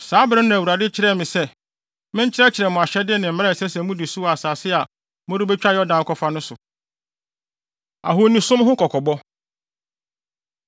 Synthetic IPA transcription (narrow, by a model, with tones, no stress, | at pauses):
saː˨˦bɾɪ˦nã˨æ˨u˨ɾa˨dɪ˦t͡ɕʰɪ˦ɾɛ˦˨mɪ̃˨sɛ˦ | mɪ̃˦ɲ˦t͡ɕʰɪ˦ɾɛ˦t͡ɕʰɪ˨ɾɛ˨mʊ̃˨a˨ɕɛ˦dɪ˦nɪ̃˨m̩˨m˦a˦˨sɛ˦sɛ˨˦mũ˦dɪ˨su˦˨a˨saː˨sɪ˦a˨ | mʊ̃˦ɾi˦bɛ˦t͡ɕᶣa˦jɔ˦dã˨n˨kʰɔ˦fa˦nʊ̃˦sʊ˨ | a̰˨ɦo˨nĩ˨sʊ̃˦mɦʊ̃˦kʰɔ˨kʰɔ˨bɔ˦